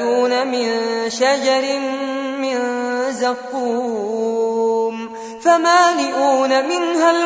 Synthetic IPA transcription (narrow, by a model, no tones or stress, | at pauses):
uːnamɪnʃad͡ʒɑɾɪmːɪnzaqːuː | m | famaːlɪʔuːnamɪnɦal